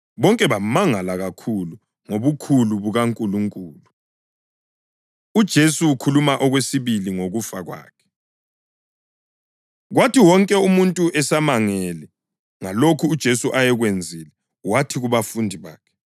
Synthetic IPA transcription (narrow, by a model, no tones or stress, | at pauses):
βɔŋkʼɛβamaŋalaɣakʰulu | ŋoβukʰuluβuɣaŋkʼuluŋkʼuːlu | ud̥ʒ̥ʱesuwukʰulumaʔɔɣwesiβiliŋoɣufaɣwa̰ːkʰɛ̥ | ɣwatʰiwɔŋkʼɛumuntʼuʔɛsamaŋɛlɛ | ŋalokʰuːd̥ʒ̥ʱesuʔajɛɣwend͡zʱilɛ | watʰiɣuβafundʱiβa̰ːkʰɛ̥